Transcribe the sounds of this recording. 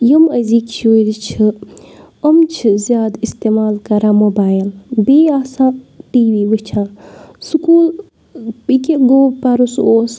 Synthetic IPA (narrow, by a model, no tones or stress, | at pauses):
jɐmɐziːkt͡ʃʰoːd̪it͡ʃʰɨ | ɐmt͡ʃʰɨzʲjaːd̪ist̪emaːlkɐɾãːmoːbaːjilbeːaːsãːʈiːʋiːʋɨt͡ʃʰãːsukuːl | pikeɡoːpɐɾusoːs